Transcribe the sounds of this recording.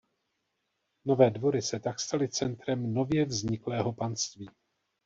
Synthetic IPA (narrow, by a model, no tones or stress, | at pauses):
no̞vɛːdvo̞ɾɪsɛt̪akst̪alɪt͡sɛnt̪ɾɛmno̞vjɛvzɲɪklɛːɦo̞panst̪viː